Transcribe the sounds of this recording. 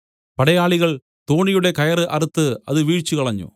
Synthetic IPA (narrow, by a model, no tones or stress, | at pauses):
pɐɽɐjaːɭiɣɐɭ | t̪o̞ːɳijuɽe̞kɐjɐrɨʔɐrut̪ːɨɐ̰ðɨʋiːɻt͡ɕːukɐɭɐɲːṵ